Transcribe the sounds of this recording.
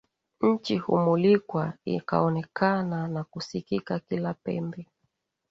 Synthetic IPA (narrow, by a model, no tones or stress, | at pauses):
ɲ̩t͡ʃihṵmulikwaḭka̰ɔnɛkʰananakusikikakilapɛ̰mbɛ